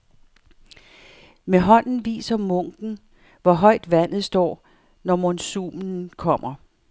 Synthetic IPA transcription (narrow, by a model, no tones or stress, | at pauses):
meɦɒ̽n̰n̩ʋḭːsɐmɔ̽ŋ̰ɡ̥n̩ | ʋɒɦɒ̽ɪ̰d̥ʋæn̰ð̩ˠsd̥ɒ̰ː | nɒmonsumn̩kʰɒ̽m̰ɐ